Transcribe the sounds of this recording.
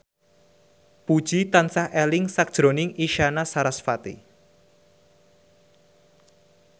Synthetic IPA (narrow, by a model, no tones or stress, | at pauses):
pud̥ʒ̥it̪ansahʔɛlɪŋsak̚ʒ̥ɾonɪŋiʃanasaɾasfat̪ḭ